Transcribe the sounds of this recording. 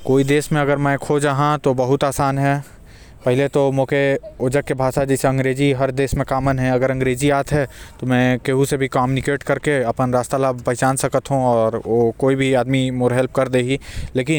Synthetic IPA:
koːid̪eːʃmẽɐɡəɾmɛ̃kʰoːd͡ʒaːɦãt̪obɐɦʊt̪aːsaːnɦɛː | pɛɦɪlet̪omõːkeʊd͡ʒəkːebʱaːʃad͡ʒiːseɐ̃ŋɡɾeːd͡ʒiɦɐɾd̪eːsmẽkaːmənɦɛ̃ɐɡəɾɐ̃ŋɡɾeːd͡ʒiaːt̪ʰɦɛt̪omɛ̃keɦũsebʱikaːmjunɪkeːʈkɐɾkeɐpənɾaːst̪alaːbpɐɦt͡ʃaːnsɐkət̪ɦũɔːɾʋokoːibʱiaːd̪mimoːɾɦɛlp̚kɐɾd̪eːɡileːkɪn

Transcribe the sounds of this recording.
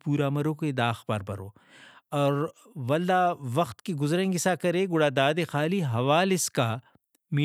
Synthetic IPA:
puːɾamɐɾõked̪aːxpɐ̰ɾbɐ̰ɾo̰ː | ɔːɾ | ʋɐld̪aːʋɐxt̪kiɡʊzɾẽŋɡɪsakɐɾeːɡʊɽaːd̪aːd̪exaːliɦɐʋaːlɪska | mi

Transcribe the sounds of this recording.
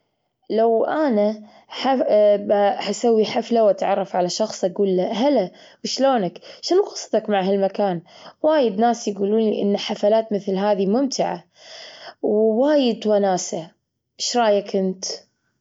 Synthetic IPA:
lawʔana | ħa | hasawːiħaflawʔat̪ʕɑrˤːɑfʕalaʃɑxsˤʔaɡuːlːaɦala | wʃloːnakʃɪnuɣɑ̥sˤt̪ɑkmaʕɦalmakaːnwaːjɪd̪naːsjɡuːluːnliʔɪ̰nːaħafalaːt̪mɪθlɦaːðimʊmt̪ʰɪʕa̰ | wwaːjɪd̪wanaːsa | ʔɪʃɾˤɑːjakʰɪnt̪

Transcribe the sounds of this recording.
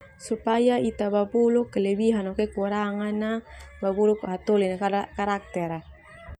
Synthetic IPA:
supajait̪ababulukːələbiɦanɔkɛkuɾaŋanːababulukɦat̪ulinaakaɾak̚t̪ɛɾa

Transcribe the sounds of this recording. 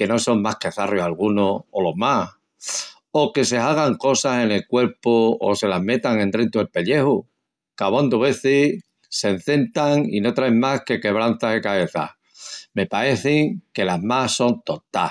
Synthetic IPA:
ke̞no̞so̞ŋmahke̞θarjohalɣ̞unoːlo̞ma | oke̞se̞aɣ̞aŋko̞sase̞ne̞lkwe̞ɾpuo̰se̞laɦme̞t̪aŋẽ̞nt̪ɾent̪uelpe̞ʎe̞hu | kaβond̪uβe̞θi | se̞n̟θe̞nt̪aŋḭno̞t̪ɾaeŋmahke̞ke̞β̞ɾanθaɦekaβe̞θa̰ | me̞pae̞θiŋke̞laɦmaso̞nt̪o̞t̪a

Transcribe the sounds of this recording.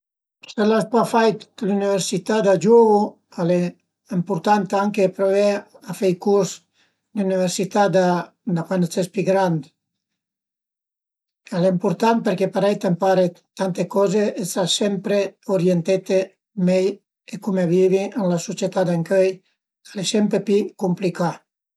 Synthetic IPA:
selaspafajt̪kluniβeɾsit̪ad̪ad͡ʒuβu | ale | empuɾt̪ant̪aŋkepɾoβeafejkuɾs | nuniβeɾsit̪ad̪a | d̪akwanet͡sespiɡɾand̪ | alempuɾt̪anpeɾkepaɾejt̪empaɾet̪ant̪ekɔzeest̪asempɾeuɾjent̪et̪e | mej | ekumeβiβienlasusjet̪ad̪aŋkøj | alesempɾepikumplika

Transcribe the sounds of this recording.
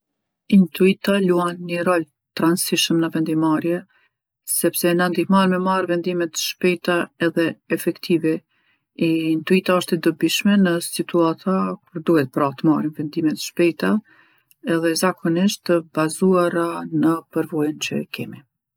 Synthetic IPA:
int̪uit̪aluanɲəɾɔl | t̪ɾansiʃəmnəvɛnd̪imaɾjɛ | sɛpsɛnand̪ihmanmɛmaɾvɛnd̪imɛt̪ʃpɛjt̪aɛðɛɛfɛkt̪ʰivɛ | iint̪uit̪aəʃt̪ɛd̪əbiʃmɛnəsit̪uat̪ʰakuɾd̪uhɛt̪əpɾat̪əmaɾinvɛnd̪imɛt̪ʃpɛjt̪a | ɛðɛzakʰɔniʃtt̪əbazuaɾanəpəɾvɔjənt͡ɕə̰kʰɛmi

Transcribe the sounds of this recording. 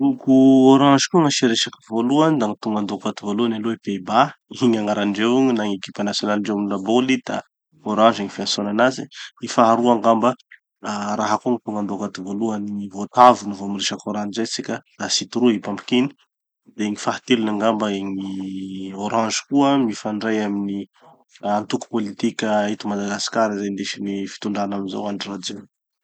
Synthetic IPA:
ukuoɾɑ̃nʒikuəŋaʃiɾeʃakivoluand̪aŋit̪uŋɡand̪okat̪ivoluanaloepebaiŋaŋaɾanɖ͡ʐewiŋinaŋeki̥pʲanasjonalɳɖ͡ʐewmulabolid̪̥a̰ | oɾɑ̃ʒiŋifiasonanazḭifaɦaɾuaŋɡambə | aɾaɦakuŋit̪uŋɡand̪okat̪ivoluaniŋivot̪avunuvomiriʃəkoɾanzet͡sikʲəd̪̥asit̪uɾuipampi̥kini̥ | d̪eeŋifaɦat̪ilinaŋɡambaeŋi | oɾɑ̃nʒi̥kuəmifaɳɖ͡ʐajamini | ant̪uku̥polit̪ikʲəit̪umad̪aɡasi̥kaɾizend̪eʃinifi̥t̪uɳɖ͡ʐanaminza̰waɳɖ͡ʐirad͡ze

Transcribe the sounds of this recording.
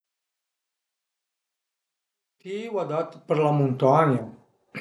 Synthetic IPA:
t̪iwad̪at̪pəɾlamũnt̪aɲa

